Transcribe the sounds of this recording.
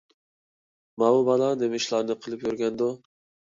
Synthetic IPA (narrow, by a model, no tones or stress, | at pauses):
mɑubɑlˠɑd̪emɪʃlˠɑɾnɨqʰəlˠɨpjøɾɡʲɛnd̪u